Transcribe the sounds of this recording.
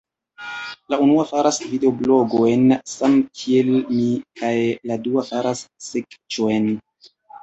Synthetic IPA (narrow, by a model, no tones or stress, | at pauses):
launuafaɾasvideoblo̞ɡo̞jnsamkʰie̞lmikʰajladuafaɾasːekt͡ʃojn